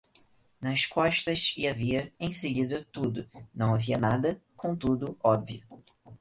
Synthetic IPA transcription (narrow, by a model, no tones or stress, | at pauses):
nɐʃkɔʃt̪ɐsɪaviɐẽj̃seɡid̪ɐt̪ud̪ʊnɐ̃w̃aviɐnad̪ɐkõt̪ud̪ʊɔbviʊ